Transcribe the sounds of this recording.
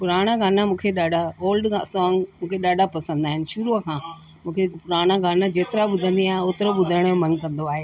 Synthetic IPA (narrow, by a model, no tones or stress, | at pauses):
pʊɾaːɽ̃aɡaːnamũːkʰeɗaːɖʱaoːlɖkʰã̰sɔːŋɡmũːkʰeɗaːɖʱapɐsə̃nd̪aːɦɪnɪ̆ʃʊɾukʰãː | mũːkʰepʊɾaːɽ̃aɡaːnãd͡ʑeːt̪ɪɾaɓʊd̪ʱə̃nd̪iaːɦẽoːt̪ɪɾoɓʊd̪ʱəɽ̃jõmɐnkɐ̃nd̪oaːɦeː